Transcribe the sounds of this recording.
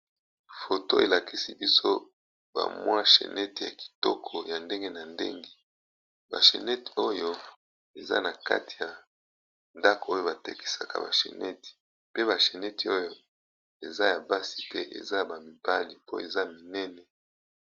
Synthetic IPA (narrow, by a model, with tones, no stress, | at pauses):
fo˨to˦e˨la˨ki˦si˦bi˦so˦ | ba̰˨mwa˦ʃḛ˨nɛ˦ti˨ja̰˨ki̥˨tɔ˦kʰɔ˨ja˨nde˦ŋɡe˦na˨ndḛ˦ŋɡe˨ | ba̰˨ʃḛ˨nɛ˦ti˨o˦jo˦ | e˨za̰˦na˨ka̰˦tʰi˨ja˨ | nda˦ko˨o˦jo˦ba˨te˨ki̥˦sa˨ka̰˨ba̰˨ʃḛ˨nʔɛ˦ti̥˨ | pe˦ba˨ʃe˨nɛ˦ti˨o˦jo˦ | e˨za˦ja˨ba˦si̥˨tɛ˦ʔḛ˨za˦˨ba˨mi˨ba˦li˨po˦e˨za˦mi˨nɛ˦nɛ˨